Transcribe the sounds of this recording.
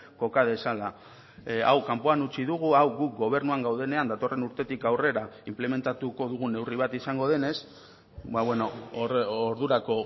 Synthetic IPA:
ko̞kað̞e̞sala | a̰wkampo̞anut͡ʃiðuɣ̞uawɡuk̚ɡo̞β̞e̞ɾnuaŋɡawðe̞ne̞and̪at̪o̞re̞nuɾt̪e̞t̪ikawre̞ɾaimple̞me̞nt̪at̪uko̞ðuɣ̞une̞wriβ̞at̪isaŋɡo̞ðe̞ne̞s | baβweno̞ː | ɾðuɾako̞

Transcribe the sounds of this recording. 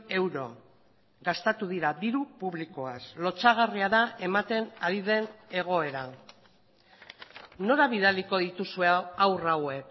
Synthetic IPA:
e̞wɾo̞̰ | ɡast̪at̪uð̞iɾaðiɾupuβliko̞aslo̞t͡saɣ̞ariaðaʔe̞mat̪e̞naɾiðe̞ne̞ɣ̞o̞e̞ɾa | no̞ɾaβ̞iðaliko̞ðit̪usueawrawe̞k

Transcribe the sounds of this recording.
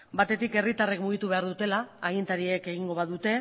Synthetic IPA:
bat̪e̞t̪ike̞rit̪arekmuɣ̞it̪uβe̞aɾðut̪e̞laːɣint̪aɾieke̞ɣ̞iŋɡo̞βaðut̪e̞

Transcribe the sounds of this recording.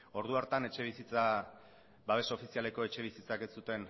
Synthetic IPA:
o̞ɾð̞uaɾt̪ane̞t͡ʃe̞β̞isit͡sa | baβe̞saofisiale̞ko̞e̞t͡ʃe̞β̞isit͡sakesut̪e̞n

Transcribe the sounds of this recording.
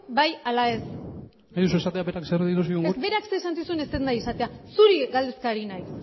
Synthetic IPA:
bajalae̞s | najðus̬uesat̪eabeɾaksereðit̪usiuŋɡebe̞ɾakseːsant͡s̪isune̞sennajesat̪easuɾiɣald̪e̞skaɾinajs

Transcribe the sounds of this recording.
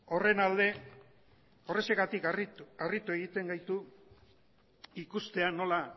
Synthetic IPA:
o̞re̞nald̪e̞ | o̞re̞seɣat̪ikiarit̪ue̞ɣit̪e̞ŋɡajt̪u | ikust̪e̞ano̞la

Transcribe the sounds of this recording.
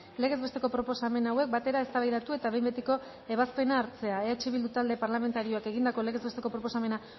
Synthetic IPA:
le̞ɣe̞zβe̞st̪e̞ko̞pɾo̞po̞same̞nawe̞k̚bat̪e̞ɾaest̪aβajðat̪ue̞t̪aβe̞jmbet̪eko̞ | e̞β̞aspe̞naːɾt͡se̞aeat͡ʃiβild̪ut̪ald̪e̞paɾlame̞nt̪aɾio̞ake̞ɣind̪ako̞le̞ɣe̞zβe̞st̪e̞ko̞pɾo̞po̞same̞na

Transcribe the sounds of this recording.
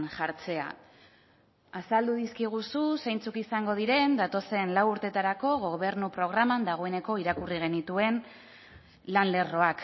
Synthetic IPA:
nʝaɾt͡se̞a̰ | asald̪uðiskiɣ̞ususejnt͡sukisaŋɡo̞ðiɾe̞nd̪at̪o̞se̞nlawuɾt̪e̞t̪aɾako̞ɣ̞o̞β̞e̞ɾnupɾo̞ɣ̞ɾamand̪aɣ̞o̞e̞ne̞ko̞iɾakuriɣ̞e̞nit̪ue̞n | lanle̞ro̞ak

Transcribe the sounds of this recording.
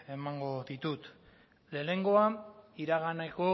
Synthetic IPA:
e̞maŋɡo̞ðit̪ut̪ | le̞ne̞ŋɡo̞aiɾaɣanako̞

